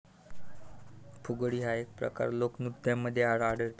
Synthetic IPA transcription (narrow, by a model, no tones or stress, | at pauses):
pʰuɡɽiːɦaek̚pɾə̰ka̰ɾloknud̪jãmːəd̪ʱːjeaɽaɽəɾt̪